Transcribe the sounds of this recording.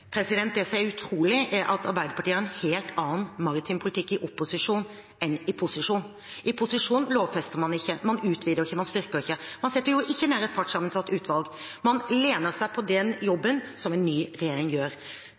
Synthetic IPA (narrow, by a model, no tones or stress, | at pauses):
pʰɾɛsɪd̪ɛnt̪̚d̪ɛsɔmɛɾʉt̪ʰɾuːlɪʔæɾʔɑt̪ɑɾbæɪd̪əpʰɑʈiːəɾɛnheːlt̪ʰɑːənmɑɾɪt̪ʰɪmpʰʊlɪt̪ʰɪkːɪʔɔpːʊsɪʂuːn | ɛnɪpʰʊsɪʂuːn | ʔɪpʰʊsɪʂuːnloːʋfɛst̪əʁmɑnɪçːəmɑnʉːt̪ʰʋiːd̪əɾɪçːəmɑnst̪ʏɾkəɾɪçːəmɑnsɛt̪ːəɾjʊʔɪçːənæːɾəɛt̪̚pʰɑʈsɑmːənsɑt̪ːʉːt̪ʰʋɑlɡmɑnleːnəɾsæɪpʰɔd̪ɛnjɔbːənsɔmɛnːyːɾɛjeːɾɪŋjøːɾ